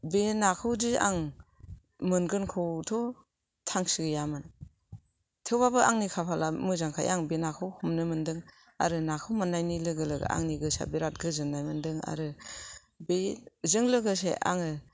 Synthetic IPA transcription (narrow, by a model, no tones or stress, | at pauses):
benakʰɯwdiaŋ | mɯnɡɯnkʰɯwtʰɔ | tʰaŋsiɡɯjamɯn | tʰewbabɯʔaŋnikʰapʰalamɯzaŋkʰa̰jaŋbenakʰɯwhɔmnɯmɯndɯŋ | a̰ɾɯnakʰɯwmɯnːajnilɯɡɯlɯɡɯ̰a̰ŋniɡɯsa̰biɾat̚ɡɯzɯŋnajmɯndɯŋa̰ɾɯ | bezɯŋlɯɡɯs̬ḛʔa̰ŋɯ